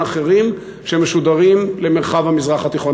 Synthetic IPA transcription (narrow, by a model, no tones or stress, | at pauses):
aχe̞ʁim | ʃemeʃud̪aʁimle̞me̞ʁχavhamizʁaχat̪iχo̞n